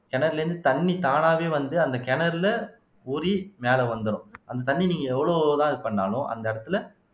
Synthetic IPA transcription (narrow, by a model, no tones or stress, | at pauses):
kɛɳɐɾɪlɐɾɯnd̪ɯt̪ɐɳːit̪aːnaːʋeːʋɐnd̪ɯɐnd̪ɐkɛɳɐɾɪlɐ | uːɾimeːlɐʋɐnd̪ɯɾʊ̃ʔɐnd̪ɐt̪ɐɳːiniːŋɡɐɛʋːɐɭoːt̪ãːɪðɯpɐɳːaːlʊ̃ʔɐ̰nd̪ɐɪɽɐt̪ːɯlɐ